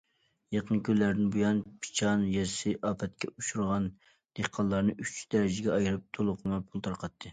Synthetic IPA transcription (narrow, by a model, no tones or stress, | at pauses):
jeqʰənkʲʰøllæɾd̪ɪnbujɑnpʰi̥t͡ʃʰɑnjɛsɪʔɑːpʰɛt̪̚kʲɛuʃuɾʁɑn | d̪̥eqʰɑlˠːɑɾnɨyt͡ʃd̪̥ɛɾɪd͡ʒɪɡʲɛɑjɾɨp̚t̪ʰolˠʊqʰəlˠmɑpʰulˠt̪ʰɑɾqʰɑt̪ʰːɨ